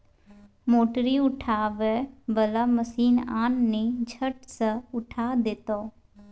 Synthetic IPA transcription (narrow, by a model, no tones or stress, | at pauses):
moːʈɾiːʊʈʰaːʋɛːbəlaːməsiːnaːnːeːd͡ʒʱəʈsəʊʈʰaːd̪ɪt̪oː